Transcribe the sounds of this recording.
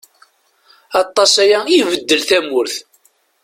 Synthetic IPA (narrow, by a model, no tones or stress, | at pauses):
ɑt̪ˤːɑsæjæivəd̪ːəlθæmʊɾθ